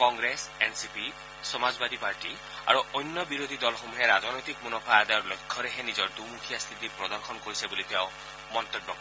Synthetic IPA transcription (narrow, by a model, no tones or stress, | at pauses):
kɔŋɡɾesensipi | sɔmazbad̪ʱipaɹʈi | a̰ɹuɔjnːɔbiɾod̪ʱid̪ɔlxomuɦeɾazɔnɔjt̪ikmunɔpʰajad̪ajɔɹlɔjkʰːɔɾeɦenizɔɹd̪umukʰijast̪ʰit̪ipɹɔd̪ɔɹxʰɔnkoɹisebulit̪eʊ̃ | mɔnt̪ɔbjɔkɔ